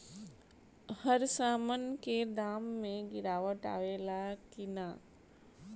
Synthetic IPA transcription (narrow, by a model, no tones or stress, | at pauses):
həɾsaːmənked̪aːmːẽɡɪɾaːʋəʈa̰ːʋeːlakɪnaː